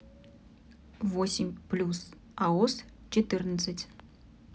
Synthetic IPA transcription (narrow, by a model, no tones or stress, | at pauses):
vosʲɪmʲplʲus | aost͡ɕɪt̪ɨrnət̪sɨtʲ